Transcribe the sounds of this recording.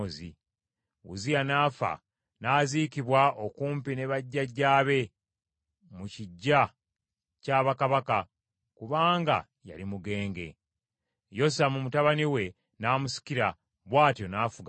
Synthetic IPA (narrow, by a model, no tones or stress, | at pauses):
ozḭ | ṵzijanaːfa̰ | naːzikiβwaʔo̞kuːmpine̞βaɟːaɟːaːβe̞ | muciɟːa | caːβakaβaka | kuβaːŋɡa̰ | ja̰limuɡe̞ːŋɡe̞̰ | jo̞s̬amumutaβaniwe̞ | naːmusi̥kiɾa | βwaːtjo̞naːfuɡa